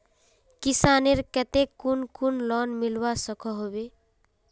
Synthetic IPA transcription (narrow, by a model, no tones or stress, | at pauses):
kisaneɾkət̪ekːunkunlɔnmilwasəkʰɔɦobe